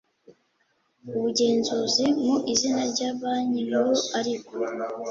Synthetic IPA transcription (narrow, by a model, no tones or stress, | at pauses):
uβuɟe̞ːnzuzimuʔizinaɾɟaːβaɲiɾoaɾiβo